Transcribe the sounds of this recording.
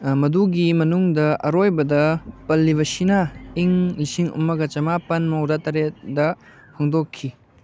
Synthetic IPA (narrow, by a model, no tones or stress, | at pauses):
mɐduɡimɐnuŋdɐɐɾojbɐdɐpɐlːiβɐsinaiŋlisiŋṵmːɐɡɐt͡ʃɐmapɐnmɐwɾatɐɾet̚dɐ | pʰoŋdokʰːi